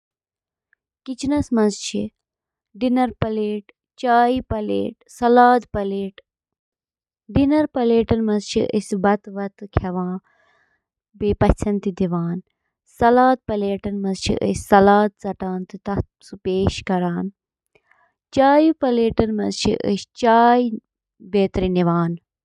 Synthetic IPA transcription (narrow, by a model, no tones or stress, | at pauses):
kit͡ʃʰinɐsmɐnzt͡ʃʰi | ɖinɐɾpɐleːʈ | t͡ʃaːjipɐlḛːʈsɐlaːd̪pɐleːʈ | ɖinɐɾpɐleːʈɐnmɐzt͡ʃʰḭʔə̰sbɐt̪ʋɐt̪kʰɐʋãː | biːpɐt͡ʃʰɐnt̪id̪iʋaːn | sɐlaːd̪̚pɐleːʈɐnmɐzt͡ʃʰḭʔə̰sʲsɐlaːd̪̚zɐʈaːnt̪ɨt̪ɐ | supeːʃkɐɾaːn | t͡ʃaːjupɐleːʈɐnmɐnt͡ʃʰḭʔə̰st͡ʃaːj | beːt̪ɾiniʋaːn